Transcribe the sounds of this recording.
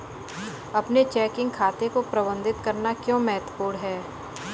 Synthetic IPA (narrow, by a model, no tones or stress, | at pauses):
ɐpnet͡ʃɛːkɪ̃ŋɡ̚kʰaːt̪ekopɾɐbə̃nd̪ʱɪt̪kɐɾnakjõːmɛɦt̪puːɾɦɛː